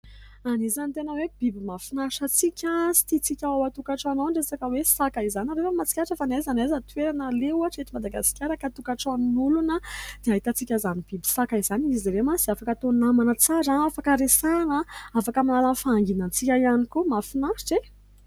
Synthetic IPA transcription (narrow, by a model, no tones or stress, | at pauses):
anizanit̪enəweb̥ibimafinaʃət͡sikʲəsi̥t̪it͡sikʲaawat̪ukaʈ͡ʂanawɖ͡ʐesakəwesakaizanaɾefəmat͡si̥kʲaɾʈ͡ʂefanajzanazət̪ueɾanaleuaʈ͡ʂet̪imad̪aɡasi̥kʲaɾakat̪ukaʈ͡ʂannulunəd̪̥eaɦit̪at͡sikʲazanib̥ibi̥sakaizaniiziɾemasiafakət̪onamanət͡saɾaafakəɾesanəafakəmanalanfaːŋɡinant͡sikʲajanikumafinaʃi̥ʈ͡ʂe